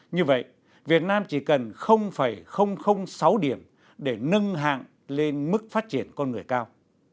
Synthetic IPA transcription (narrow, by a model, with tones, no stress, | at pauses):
ɲɨ˧və̰˧˨j | vi˨˩ət̚naː˧mt͡ɕi˧˩kə˨˩nxə˧wŋ͡mfaː˧˩jxə˧wŋ͡mxə˧wŋ͡msa˨˦wɗi˧˩əm | ɗe˧˩nə˧ŋɦa̰ː˧˨ŋ | le˧nmɨ˦˥k̚faː˦˥t̚t͡ɕi˧˩ənkɔ˧nŋɨ˨˩əjkaː˧w